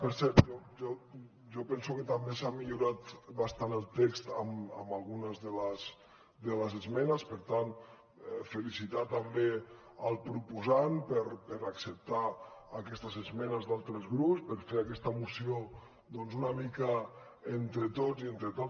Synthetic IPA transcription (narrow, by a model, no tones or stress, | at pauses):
pəɾsɛɾt̪ʒɔʒɔ | ʒɔpɛnsuket̪ambesamiʎuɾat̪βast̪anəlˠt̪ekst̪əmə̰malˠɣunəzðələs | d̪ələzəzmɛnəspəɾt̪an | felisit̪at̪ambe | əlˠpɾupuzanpəɾpəɾaksəp̚t̪aːkɛst̪əzəzmɛnəzd̪alˠt̪ɾəzɣɾupspəɾfeɾakɛst̪əmusio | d̪ɔnzunamikə | ent̪ɾət̪ozient̪ɾet̪o